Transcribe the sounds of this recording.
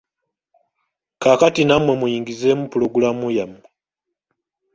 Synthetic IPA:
kakatinamwe̞mujiːŋɡizeːmupuloɡulamujamu

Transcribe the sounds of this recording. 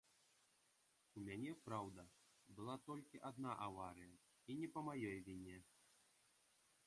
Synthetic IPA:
umʲanʲɛpɾawd̪ɐbɨlˠat̪ɔlʲkʲiʔad̪naʔavaɾɨjɐ | inʲɛpɐmajɔjvʲinʲɛ

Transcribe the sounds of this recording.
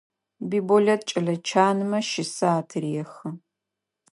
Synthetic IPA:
biːbolʲɐt̚t͡ʃʼɐɮɐt͡ʃʰaːnɨmɐʃɪsɐaːtʰɨrijɛxɨ

